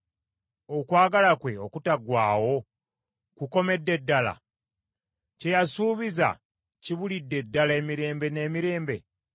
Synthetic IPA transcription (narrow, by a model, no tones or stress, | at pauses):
o̞kwaːɡalakwe̞o̞kutaɡwaːwo̞ | kuko̞me̞dːe̞dːala̰ | ce̞jasuːβiza̰ | ciβulidːe̞dːale̞miɾe̞ːmbe̞ne̞ːmiɾe̞ːmbe̞